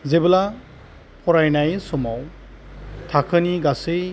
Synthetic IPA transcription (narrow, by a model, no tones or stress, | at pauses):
zebɯla | pʰɔɾajnajsɔmaw | tʰakʰɯniɡase